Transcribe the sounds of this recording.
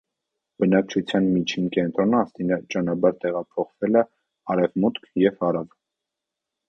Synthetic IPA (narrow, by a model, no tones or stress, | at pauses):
b̥ənɑk̚t͡ʃʰut͡sʰjɑnmit͡ʃʰinkɛnt̪ɾɔnəɑst̪inət͡ʃɑnɑbɑɾt̪ɛʁɑpʰɔχvɛlɛ | ɑɾɛvmut̪kʰjɛvɑɾɑv